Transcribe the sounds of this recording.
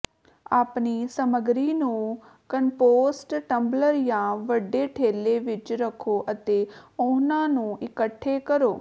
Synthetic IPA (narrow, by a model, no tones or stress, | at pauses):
aːpniːsəməɡɾiːnũː | kənpoːsʈʈəmbləɾjãːʋəɖːeːʈʰeːleːʋɪt͡ʃɾəkʰːoːʔət̪eːʊnãːnũːʔɪkəʈʰːeːkəɾoː